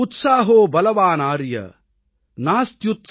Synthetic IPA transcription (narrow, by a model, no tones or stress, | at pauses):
ut̪saːɦoːbɐlɐʋaːnaːɾjɐ̰ | naːst̪jut̪